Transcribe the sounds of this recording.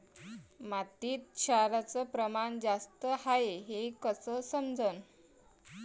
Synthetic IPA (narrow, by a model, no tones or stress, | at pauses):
mat̪iːt̪̚ɕʰaɾat͡səpɾəmand͡zast̪əhaeɦekəsəsəmd͡zʱən